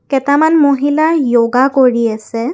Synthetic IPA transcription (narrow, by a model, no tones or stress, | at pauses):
kɛtamanmoɦilajoɡakoɹiasɛ